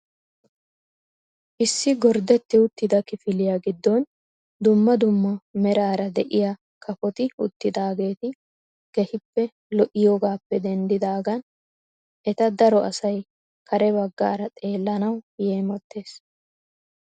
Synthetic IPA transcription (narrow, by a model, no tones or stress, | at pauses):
ʔɪsːɪɡɔɾd̪ɛt̪ːɪʊt̪ːɪd̪ɐkɪfɪlɪjaːɡɪd̪ːɔn | d̪ʊmːɐd̪ʊmːɐmɛɾaːɾɐd̪ɛʔɪja | kʰɐfɔt̪ɪʊt̪ːɪd̪aːɡe̞ːt̪ɪ | ɡ̥ɛhɪpːɛ | lɔʔɪjoːɡaːpːɛd̪ɛnd̪ɪd̪aːɡɐn | ʔɛt̪ɐd̪ɐɾɔʔɐsɐj | kʰɐɾɛbɐɡːa̰ːɾɐt̪ʼe̞ːlːɐnɐwjeːmɔt̪ːeːs